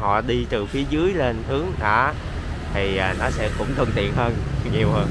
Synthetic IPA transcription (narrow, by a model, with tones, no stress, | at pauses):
hɔ̰˧˨ɗi˧t̪ɨ˨˩fi˨˦əzɨ˨˦əjle˧nt̪ʰɨ˨˦əŋɗa̰ː˧˩ | t̪ʰi˨˩ʔaː˨˩nɔ˨˦sɛ̰˧˥kʊ̰˧˥wŋ͡mt̪ʰɨ˧əŋt̪ḭ˧˨ənhəː˧nɲi˨˩əwhəː˧n